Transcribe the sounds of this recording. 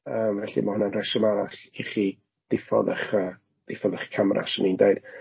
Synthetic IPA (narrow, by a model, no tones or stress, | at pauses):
əːmvɛɬḭmahʊnanrɛsəmaɾaɬiχi | ð̥ɪfɔ̰ðəχəː | ð̥ɪfɔðəχkʰamrʔa̰sənindejɨd̥